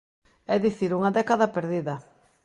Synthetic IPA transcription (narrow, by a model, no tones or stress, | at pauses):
ɛðiθiɾuŋɐðɛkaðɐpeɾðiðɐ